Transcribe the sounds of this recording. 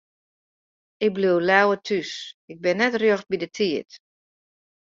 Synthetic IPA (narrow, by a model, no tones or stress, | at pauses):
ɪk̚bliwlɛwətʰysɪɡ̚bɪnːɛtrjøxt̚bidətʰiət